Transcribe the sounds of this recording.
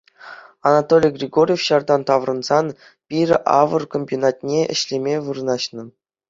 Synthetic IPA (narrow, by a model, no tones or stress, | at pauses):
ɑnɑt̪olʲijɡrʲiɡorʲjefɕɑrd̪ɑnt̪ɑʋrɤ̆nz̥ɑn | pʲirʲʔɑ̰ʋɤ̆rkomʲbʲonɑt̪̚ʲnʲeʔɘ̰̆ɕlʲemʲeʋɯrɤ̆nɑɕnɤ̆